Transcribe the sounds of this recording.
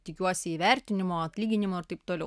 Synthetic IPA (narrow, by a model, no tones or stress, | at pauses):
t̪ʲɪkʲuɔsʲɪiːʋʲɛɾʲt̪ʲɪnʲɪmoːɐt̪ʲlʲiːɡʲɪnʲɪmoːɪɾt̪ɐɪpt̪oːlʲɛ